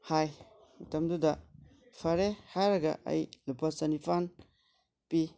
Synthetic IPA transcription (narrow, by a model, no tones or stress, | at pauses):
haj | mutɐmdudɐ | pʰaɾehaɾɐɡɐ̰ʔɐ̰jlupasɐnipʰan | pi